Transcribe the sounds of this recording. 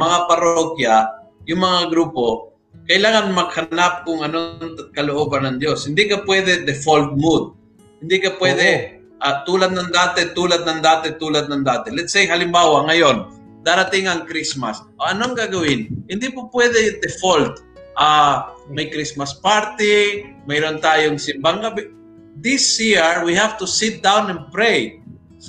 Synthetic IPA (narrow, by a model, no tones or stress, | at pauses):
mɐŋapɐɾokjajʊŋmɐŋaɡɾuːpo̞ | kɐʔɪlaːŋanmɐɡ̚hɐnap̚kʊŋɐnoŋkɐloʔoːbɐnːɐŋd̪joshɪnd̪ikapwɛd̪ɛd̪ɛfolt̪̚mud̪̚ | hɪnd̪ikapwɛd̪ɛ | ʔat̪uːlat̪̚nɐŋd̪aːt̪ɛt̪uːlad̪̚nɐŋd̪aːt̪ɛt̪uːlad̪̚nɐŋd̪aːt̪ɛlɛt̪sejɦɐlɪmbaːwaŋɐjon | d̪aɾat̪ɪŋɐŋkɾismasʔoɐnoŋɡaɡɐwɪnhɪnd̪ipapwɛd̪ɛd̪ɛfolt̪ | ʔamɐjkɾismɐspaɾt̪ɪ | mɛjɾont̪aːjoŋsɪmbaŋkɐbɛ | d̪ɪsjiɹwihafv̥t̪ʊsɪt̪̚d̪awnɛnpɾej | s